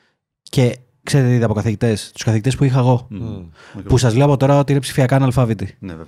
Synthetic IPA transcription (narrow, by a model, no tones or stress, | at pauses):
ce̞ | kse̞ɾet̪eiðeɐpo̞kɐθiʝit̪e̞st̪u̥skɐθeʝit̪e̞spuixɐeɣo̞ | pusɐzleoɐpo̞t̪o̞ɾɐo̞t̪iinesi̥fiɐkɐnɐlfɐvit̪i